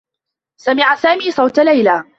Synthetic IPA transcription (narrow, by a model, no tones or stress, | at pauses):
samɪʕasaːmiːsˤɑwt̪alajlaː